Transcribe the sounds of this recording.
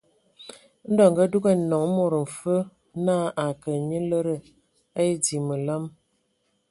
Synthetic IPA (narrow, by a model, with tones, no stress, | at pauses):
n̩˦dɔ˨ŋ̩˨ɡə˦du˦ɡə˦˨nɔ˨ŋ˦mo˨ɾə˨m̩˨fə˦ | naː˦ʔa˨kə˨ɲə˦lə˦ɾə˦ | a˦e˦di˨mə˨lə˦m